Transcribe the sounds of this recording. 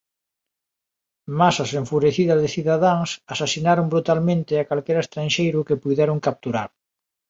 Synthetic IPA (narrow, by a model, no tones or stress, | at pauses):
masaseɱfuɾeθiðɐzðɪθiðaðaŋsasasinaɾombɾut̪almẽnt̪ɪakalkɛɾaest̪ɾanʃejɾʊkɪpujðɛɾoŋkap̚t̪uɾa̰ɾ